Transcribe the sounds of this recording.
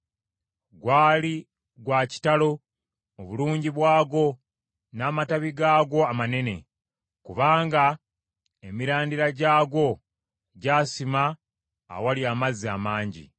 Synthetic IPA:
ɡwaːli | ɡwaːci̥talo̞ | oβuluːɲɟiβwaːɡo̞ | naːmataβiɡaːɡo̞amane̞ne̞̰ | kuβaːŋɡa | emiɾaːndiɾaɟaːɡo̞ | ɟaːsima̰ː | waliaːmazia̰maːɲɟḭ

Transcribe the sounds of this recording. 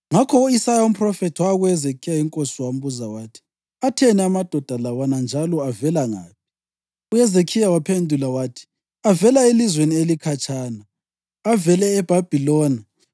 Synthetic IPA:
ŋakʰɔuisajaum̩pʰʼrɔfɛtʰwaɣujɛzekʰijaiŋkʼosiwam̩buzawaːtʰi̥ | atʰɛnɛamad̥ʱɔd̥ʱalawanand͡ʒʱalɔavɛlaŋa̰ːp̚ʰi̥ | ujɛzekʰijawapʰendʱulawaːtʰi̥ | avɛlaelizwenielikʰat͡ʃʰʼaːnaː | vɛlɛːb̥ʱab̥ʱilɔːna

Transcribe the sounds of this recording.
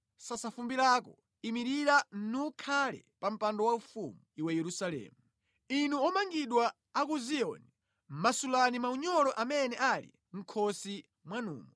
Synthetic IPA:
sasafumbiɾakɔ̰ | imiɾiɾanukʰalɛ̰pam̩pandɔwaufṵmuiwɛjɛɾusalɛ̰ːmu | inuɔmaŋɡiɗwaː | kuziɔ̰ːni | masulanimauɲɔɾɔʔamɛnɛʔalḭ | ŋ̩kʰɔsi | mwanṵːmɔ

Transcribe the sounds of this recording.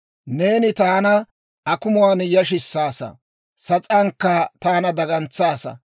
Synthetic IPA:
ne̞ːnɪt̪aːnɐ | ʔɐkʊmʊwaːnjɐʃ̬ɪsːaːsɐ̰ | sɐt͡sʼɐŋkːɐt̪aːnɐd̪ɐɡɐnt͡sːaːsɐ̰

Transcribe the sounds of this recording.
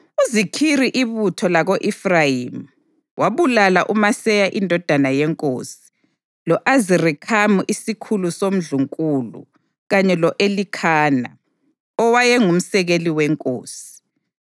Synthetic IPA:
uzikʰiɾiʔiβutʰɔlaɣoʔifrajim | wʔaβulalaʔumasɛjaʔindʱɔd̥ʱanajɛŋkʼo̰ːsi̥ | lɔʔazirikʰamuʔisikʰulusom̩ɮuŋkʼulṵ | ɣaɲɛlɔʔelikʰaːna | ɔwajɛŋum̩sɛɣeliwɛŋkʼo̰ːsi̥

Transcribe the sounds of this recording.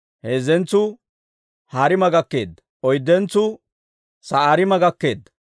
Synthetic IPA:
heːzɛnt͡sːʊ | haːɾɪmɐɡɐkːe̞ːd̪ːɐ | ɔjd̪ːɛnt͡sːʊ | sɐaːɾɪmɐɡɐkːe̞ːd̪ːɐ̥

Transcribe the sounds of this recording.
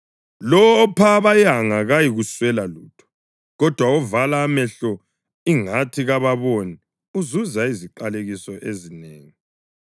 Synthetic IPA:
lɔpʰaːβajaŋaɣajiɣuswɛlaluːtʰɔ̥ | ɣɔd̥ʱwauvalaːmɛɬɔ | iŋatʰiɣaβaβoni | uzuzaiziǃaleɣisɔʔezineːŋi

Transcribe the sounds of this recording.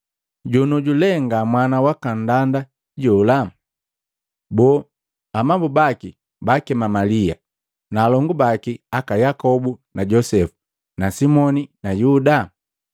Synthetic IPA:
ɟunuɟulɛŋɡamwanawakandanda | ɟɔla | bɔː | amabubaki | bakɛmamalia̰ | naːlɔŋɡubakiakajakɔbunaɟɔsɛfu̥ | nasimɔninajuda

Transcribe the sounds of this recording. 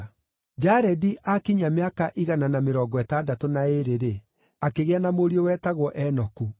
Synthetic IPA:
d͡ʒaɾɛdiʔakiɲameakaʔiɣananameɾɔːɡɔɛtaːdatonaeɾeɾe | akeɣeanamoɾiɔwɛːtaɣwɔʔɛnɔku

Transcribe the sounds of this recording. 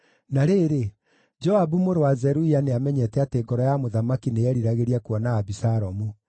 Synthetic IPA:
naɾeːɾe | d͡ʒɔabumoɾowazɛɾuianeamɛɲɛtɛateːɡɔɾɔjamoðamakinejɛɾiɾaɣeɾiakwɔnaːbisaɾɔmu

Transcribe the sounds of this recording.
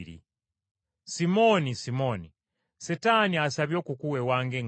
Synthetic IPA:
ɾḭ | simonisimoni | setaniasaβjokukuwewaŋɡeŋ

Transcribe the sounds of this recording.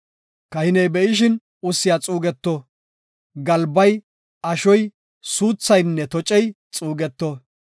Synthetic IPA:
kɐhɪnɛjbɛʔɪʃ̬ɪn | ʊsːɪjat͡sʼuːɡɛt̪ːɔ | ɡɐlbɐj | ʔɐʃɔj | suːt͡sːɐjnːɛt̪ɔt͡ʃʼɛj | t͡sʼuːɡɛt̪ːɔ

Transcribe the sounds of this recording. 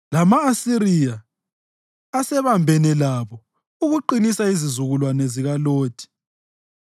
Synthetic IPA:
lamaːsiɾija | sɛβambʱɛnɛlaβɔ | uɣuǃinisaizizuɣulwanɛziɣaloːtʰi̥

